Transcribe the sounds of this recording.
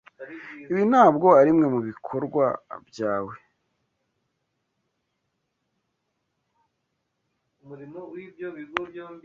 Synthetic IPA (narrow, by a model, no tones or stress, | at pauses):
iβin̥aːbɡo̞aɾimŋe̞muβikʰo̞ɾɡwa̰bjaːwe | ɾiwi